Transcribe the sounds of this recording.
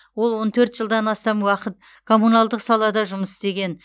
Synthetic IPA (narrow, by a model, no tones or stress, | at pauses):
wo̞lˠwo̞nt̪ʰɵɾt̪ʒəlˠd̪ɑnɑst̪ɑmwɑqət̪̚ | kʰo̞munɑlˠd̪əqsɑlˠɑd̪ɑʒʊməst̪e̞ɡʲe̞n